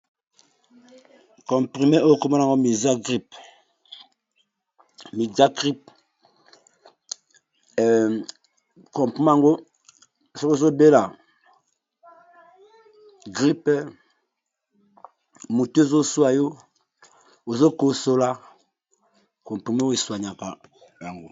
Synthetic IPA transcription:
kɔ̃˨mpʁi˨me˦o˦˨ko˦mɔ˦la˨ŋɡo˦mi˨za˦ɡʁi˦p | mi˨d͡ʒa˦ɡʁi˦p̚ | kɔ̃˨mpi˦m˦a˦˨ŋɡo˦˨ | sɔ˦ko˦zo˦be˦la˨ | ɡɾi˦pɛ˦ | mu˨tzo˦su˦a˨jo˦ | o˨zo˦ko˦so˦la˦ | kɔ̃˨m˨pi˨me˦wi˨su˨a˨ɲa˨ka˨ | ja˨ŋɡo˨

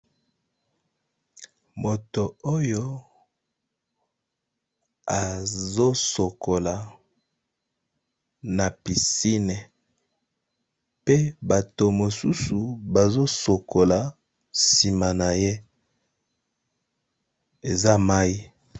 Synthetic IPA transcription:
mo˨to˨o˦jo˦ | a˨zo˦so˨ko˨la˨ | na˨pi˨si˦ne˨ | pe˦ba˨to˨mo˨su˦su˨ba˨zo˦so˨kʰo˨la˨ | si˨ma˨na˨je˦ | e˨za˦ma˦i˦

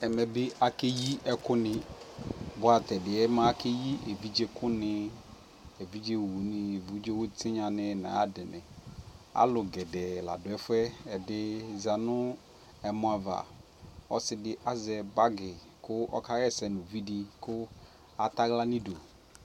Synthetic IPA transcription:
ɛ˨mɛ˨bɪ˦a˨ke˦ji˦ɛ˦kʊ˦nɪ˨ | bʊ˦a˨tɛ˨dɪ˨ɛ˦mã˦kʰe˦ji˦ʔe˨vi˦d͡ʒe˦kʊ˦nɪ˦ | e˨vi˦d͡ʒe˦wu˨˦nɪ˨vu˨˦d͡ʒe˦wʊ˦tʰɪ˦ɲã˨nɪ˨na̰˨a˦dɪ˨nɪ̰˨a̰˦lʊ˨ɡɛ˨dɛ˨la̰˨dʊ˨ɛ˦fʊ˦ɛ˦ɛ˨dɪ˦za˨nʊ˦ | ɛ˨mʊ˨˦a˨va̰˨ | ɔ˦sɪ˦dɪ˦ʔa˦zɛ˨ba˦ɡɪ˨ | kʊ˦ɔ̰˦ka˦ɣɛ˦sɛ˨nʊ̃˨vi˦dɪ˨kʊ˦ | a˨ta˦ɣla˦nɪ̃˦do˨

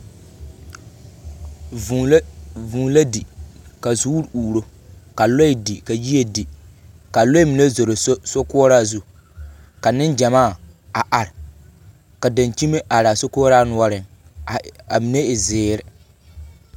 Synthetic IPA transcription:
vuː˨˦la˦di˨ka˨zu˦ɾuː˨ɾo˦ka˨lo˦i˨di˨ka˨ji˦e˨di˨ | ka˨lo˦i˦mi˨ne˦zo˨ɾo˨˦so˦kʊ˦ɔ˦ɾaː˦zu˦ | ka˨nɪ˦nd͡ʒa˨maː˦˨a˨ʔa˨ɾɪ˨ | ka˨da˨nt͡ʃi˦me˦ʔa˨ɾa˨so˦kɔ˦ɔ˦ɾaː˦nʊ˦ɔ˦ɾɪ˨ŋ˨ | a˨mi˨ne˦ɪ˨zɪː˨ɾɪ˨

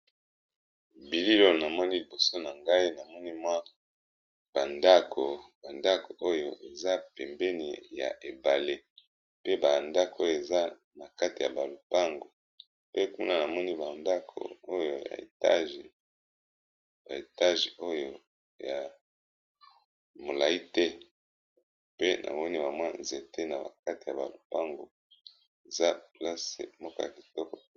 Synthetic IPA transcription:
bi˨li˦lo˦˨na˨mɔ˦ni˦li˨bo˨so˦na˨ŋɡa˦i˦na˨mɔ˦ni˦mwa˦ | b̥a˨nda˦kʰo˨ba˨nda˦ko˨ʔo˦jo˨ʔe˨za˦pɛ˨mbɛ˦nḭ˨ja̰˨ʔe˨ba˨le˦ | pe˦ba˨nda˦ko˦jo˨e˨za˦ | na˨ka˦ti˨ja˨ba˨lo˨pa˦ŋɡo˨ | pe˦ku˦na˦na˨mɔ˦ni˦ba˨nda˦kʰo̰˨o˦jo˨ja̰˨ḛ˨ta˦ʒe˨ | ba˨e˨ta˦ʒe˨o˦jo˨ | ja˨ | mo˨la˨i˦tɛ˦ | pe˦nʔa̰˨mɔ˦ni˦ba˨mwa˦nze˨te˦na˨ba̰˨ka˦ti˨ja˨ba̰˨lo˨pa˦ŋɡo̰˨ | e˨za˦pla˦sḛ˨mɔ˦kɔ̰˦ja̰˨ki˨tɔ˦kɔ˨

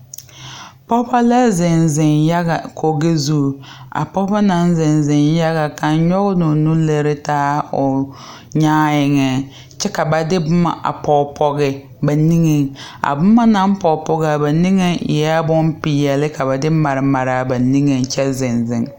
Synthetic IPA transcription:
pɔ˦pa˦la˦zɪ˨nzɪ˨nja˦ɣa˨kʰo˨ɡe˦zu˦˨a̰˨pɔ˦ba˦na˦nzɪ˨nzɪ˨nja˦ɣa˨ka˨nɲɔ˦ɣʊ˦nʊ˨nu˦le˨ɾɪ˦taː˦ʊ˨ | ɲaː˦jɪ˨ŋɛ˨ | t͡ʃɛ˦ka˨ba˨dɪ˦bʊ˦ma̰˦˨ʔa̰˨pɔ˨pʰɔ˨ɣɪ˨ | ba˨ni˦ŋe˨ŋa̰˨bʊ˦ma˦na˦m˦pɔ˨pɔ˨ɣa˨ba˨ni˦ŋe˦˨jɛ˦a˦bʊ˦mpɪ˨jɛ˨lɪ˦ka˨ba˨dɪ˦ma˨ɾɪ˨ma˨ɾa˨ba˨ni˦ŋe˨ŋt͡ʃɛ˦zɪ˨nzɪ˨ŋ

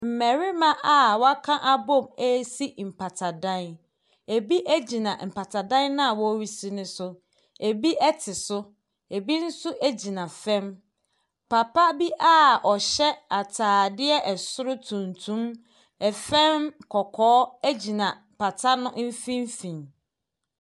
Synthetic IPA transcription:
m̩˨mɛ˨ɾi˦mã˦ʔa˨wɔ˦a˦kʰã˦ʔa˦bɔ̃˦˨mɛ˦si˦m̩˨pʰa˨tʰa˨dã˦n | e˨bi˦ʔæ˦d͡ʑi˨nã˨m̩˨pʰa˨tʰa˨dã˦nnã˦a˨wɔ˦ɥi˦si˦nʊ̃˦sʊ˦ | e˨bi˦ʔɛ˦tʰɪ˨sʊ˦ | e˨bi˦n̩˦sʊ˦ʔe˦d͡ʑi˨nã˨fɛ̃˦m | pʰa˨pʰa˦bi˦ʔa˦ɔ˨ɕɛ˦a˨tʰaː˨dɪ˦ɛ˦ʔɛ˨sʊ˦ɾʊ˦tʰũ˨ntʰũ˦m | ɛ˨fɛ̃˦mkʰɔ˨kʰɔː˦æ˦d͡ʑi˨nã˨ | pʰa˨tʰa˦nʊ̃˦m̩˦fĩ˦m˦fĩ˨n

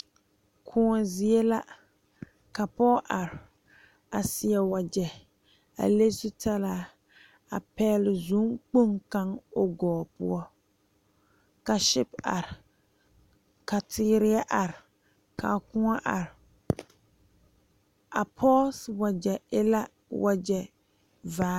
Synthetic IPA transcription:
kʰʊ˦ŋɔ˨zi˦e˦la˦ | ka˨pɔː˦ʔa˨ɾɪ˨ | a˨sɪ˨ɛ˨wa˨d͡ʒɛ˨ | a̰˨le˦sʊ˦ta˦la˦ | a˨pɛː˦lɪ˨zu˦ŋk͡po˦ŋka˦ŋo˦ɡɔː˨pʊ̰˦ɔ˦ | ka˨ʃɪ˦pa̰˨ɾɪ˨ | ka˨tʰɪː˦ɾɪ˦a˦ʔa˨ɾɪ˨ | ka̰˨kʊ˦ŋa˦ʔa̰˨ɾɪ˨ | a˨pʰɔ˦swa˨d͡ʒɛ˨ɪ̰˦la˦ | wʔa˦d͡ʒɛ˨ | vaː˦

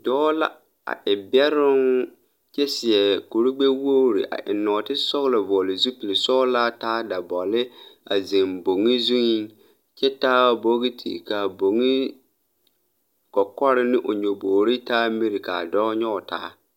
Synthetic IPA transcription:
dɔː˦la̰˦ | a̰˨ʔɪ˨bɛ˦ɾʊ˦n | t͡ʃɛ˦sɪ˨ɛ˨ku˨ɾi˦ɡ͡be˦wo˦ɾḭ˨ʔa̰˨ʔɪ̰˨nɔː˨tɪ˦sɔ˦ɣlɪ˨vɔː˨lɪ˨zu˦pi˨li˨sɔː˦la˦taː˦da˨bɔ˨lɪ˦a̰˨zi˨mbo˨ŋi˦zu˦ŋi˦ | t͡ʃɛ˦taː˦bo˦ɣi˦tʰḭ˨ka˨bo˨ŋi˦ | kɔ˨kɔ˦ɾɪ˦nɪ˦ʔʊ˨ɲo˨boː˨ɾi˦taː˦mi˦ɾɪ˨ka˨dɔː˦ɲɔ˦˨ta̰ː˦

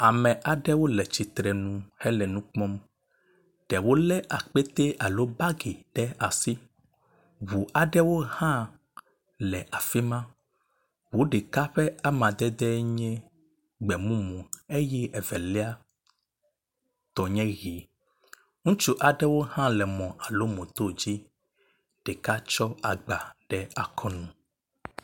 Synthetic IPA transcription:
a˨mɛ̃˨ʔa˨ɖɛ˦wo˦lɛ˨t͡ʃi˨t̪ɾɛ˨nũ˦hɛ˦lɛ˨nũ˦k͡pɔ̃˦m | ɖ̥ɛ˨wo˦lɛ˦ʔa˨k͡pe˦t̪e˦ʔa˨lo˦ba˦ɡi˨ɖ̥ɛ˦a˨si˦ | βu˨ʔa˨ɖɛ˦wo˦hã˦ | lɛ˨ʔa˨fi˦mã˦ | wo˦ɖe˨ka˦ɸɛ˦a˦mã˨d̪ɛ˦d̪ɛ˦ɲɛ̃˦ | ɡ͡bɛ˨mũ˦mũ˨e˦jɛ˦ʔɛ˨vɛ˨le˦a˦ | t̪ɔ˨ɲɛ̃˦ɣi˨˦ | ŋũ˦t͡ʃu˦ʔa˨ɖɛ˦wo˦hã˦lɛ˨mɔ̃˨ʔa˨lo˦mõ˨t̪o˦d͡ʑi˦ | ɖ̥e˨ka˦t͡ʃɔ˦a˨ɡ͡ba˨ɖ̥ɛ˦a˨kʰɔ˦nũ˨

